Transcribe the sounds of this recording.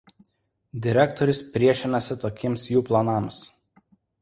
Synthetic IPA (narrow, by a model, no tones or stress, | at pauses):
d̪ʲɪɾʲɛkt̪ɔɾʲʊspʲɾʲiɛʃʲɪnɐsʲɪt̪oːkʲɪmsjuːplˠɐnɑˑms